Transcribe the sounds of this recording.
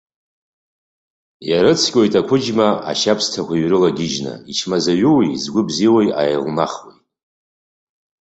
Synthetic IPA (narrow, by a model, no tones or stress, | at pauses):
jaɾɨt͡sʰkʲʼo̞jtʼakʷʰʊd͡ʒmaa̰ʃapʰstʰakʷaɥrɨlaɡʲɪʒna̰it͡ʃʰmazaɥuwizɡʷʊbziwajajlma̰χwejt